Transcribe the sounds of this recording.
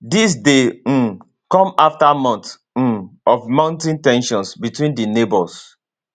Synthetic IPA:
dis̬de | kɔ̃maftamɔ̃nt̩ | ɔvmãʊ̃ntĩntɛ̃nʃɔ̃nsbitwĩndinebɔs

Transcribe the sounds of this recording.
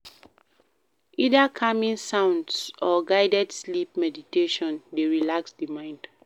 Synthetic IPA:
ʔidakʰamĩŋsãʊ̃ndsɔɡaɪdɛdslip̚mɛditeʃɔ̃ndeɹilaksdimãɪ̃nd̥

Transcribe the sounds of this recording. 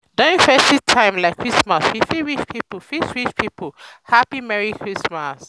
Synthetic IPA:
dɔ̃ĩfɛstitʰãɪ̃mlaɪkʰːɹismaswifiɹit͡ʃpʰipofisɹit͡ʃpʰipohapimɛɹikʰɹismas

